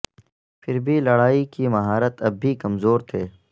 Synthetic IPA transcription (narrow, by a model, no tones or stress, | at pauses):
pʰɪɾbʱilɐɽaːikimɐɦaːɾət̪ɐbʱːikɐmzoːɾt̪ʰeː